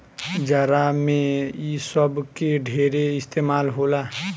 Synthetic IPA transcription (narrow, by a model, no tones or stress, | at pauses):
d͡ʒaːɾamẽisəbkeɖʱeːɾeɪst̪eːmaːlɦola